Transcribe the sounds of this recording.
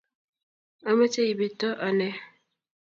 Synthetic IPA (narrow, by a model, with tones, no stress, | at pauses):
ə˦mə˦t͡ʃe˦i˨bi˨tɔ˦ʔɔ˨nɛ˦